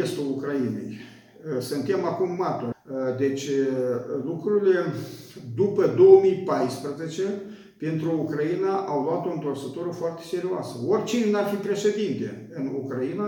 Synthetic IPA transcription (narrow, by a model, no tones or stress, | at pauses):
est̪ulukɾainḛj | sɨnt̪e̞makumːat̪ud̪e̞t͡ʃʲ | lukɾuɾile̞d̪upəd̪o̞wəmijpajspɾəzet͡ʃe̞ | pe̞nt̪ɾuukɾainaʔawloat̪o̞nt̪orsət̪oɾəfoart̪e̞se̞ɾioasəorʲt͡ʃinenarfipɾe̞ʃe̞d̪int̪e̞ | ɨnukɾaina